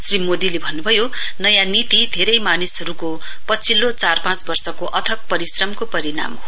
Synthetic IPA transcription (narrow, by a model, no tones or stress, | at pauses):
srimod̪ilebʱʌnːubʱʌjo | nʌjãnit̪id̪ʱeɾʌjmanisɦʌɾuko | pʌt͡sʰilːot͡sarpãt͡sbʌrsʌkoʔʌt̪ʰʌk̚pʌɾisrʌmkopʌɾina̰mɦo